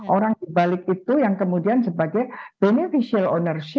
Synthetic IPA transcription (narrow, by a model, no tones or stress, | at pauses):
ʔoɾaŋdibalɪk̚it̪ujaŋkəmudiansəbaɡajb̥enefisialonərʃɪ